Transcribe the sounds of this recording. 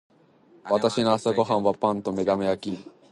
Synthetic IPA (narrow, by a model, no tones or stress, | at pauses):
βat̪aɕinoasaɡo̞ɦãɰ̃βapãnt̪o̞me̞d̪amejakʲi